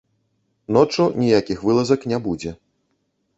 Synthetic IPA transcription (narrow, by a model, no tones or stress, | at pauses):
nɔt͡ʂɐnʲijakʲixvɨlˠɐzɐknʲɛbud͡zʲɛ